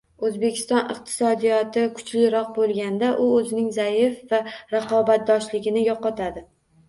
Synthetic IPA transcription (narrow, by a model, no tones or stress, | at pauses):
ɵzbe̞kʲʰɪ̥st̪ɒnɨ̰q̚t̪ʰɪ̥sɒd̪ijɒt̪ɪkʰʊ̥t͡ʃlɪɾɒq̚bolˠɡʲand̪aʔʊɵzɪnɪŋzajɪfvaɾaqʰɒbat̪̚d̪ɒʃlɪɡʲɪnɪjɒqɒt̪ʰad̪ɪ